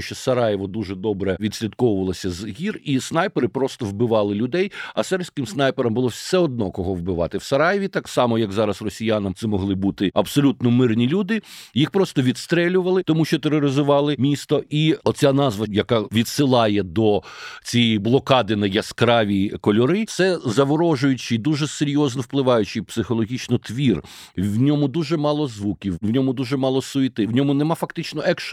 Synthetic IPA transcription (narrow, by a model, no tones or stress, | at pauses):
ʃt͡ʃɔsɐɾɑjɪʋɔd̪uʒɛd̪ɔbɾɛʋʲid̪ʲsʲlʲid̪kɔwʊʋɐlˠɔsʲɐzɦʲirisnɑjpeɾɪpɾɔst̪ɔwbɪʋɑlˠɪlʲʊd̪ɛjɐsɛɾpʲsʲkɪmsnɑjpeɾɐmbʊlˠɔsɛɔd̪nɔkɔɦɔʋbɪʋɑt̪ɪwsɐɾɑjɪʋʲit̪ɑksɑmɔjɐɡzɑɾɐsrɔsʲijanɐmt̪sɛmɔɦlˠɪbut̪ɪɐbsɔlʲut̪nɔmɪrnʲilʲud̪ɪjixpɾɔst̪ɔʋʲid̪st̪ɾɛlʲʊʋɐlˠɪt̪ɔmuʃt͡ʃɔt̪eɾɔɾɪzʊʋɑlˠɪmʲist̪ɔʔiɔt͡sʲanɑzʋɐjɐkɑʋʲid̪sɪlˠɑjɛd̪ɔt͡sʲijiblˠɔkɑd̪ɪnɐjɐskɾɑʋʲikɔlʲɔɾɪt̪sɛzɐʋɔɾɔʒʊjʊt͡ʃɪd̪uʒɛseɾʲjɔznɔwplˠɪʋɑjʊt͡ʃɪpsɪxɔlˠɔɦʲit͡ʃnɔt̪ʋʲir | wnʲɔmʊd̪uʒɛmɑlˠɔzʋukʲiwwnʲɔmʊd̪uʒɛmɑlˠɔsʊjt̪ɪwnʲɔmʊnɛmɑfɐkt̪ɪt͡ʃnɔʔɛkʃ